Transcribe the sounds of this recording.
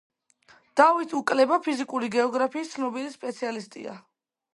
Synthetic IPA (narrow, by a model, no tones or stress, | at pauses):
d̪̥avit̪ʰukʼlɛbapʰizikʼuɾiɡɛɔɡɾapʰiːst̪sʰnɔbilispʼɛt̪sʰialist̪ʼḭa̰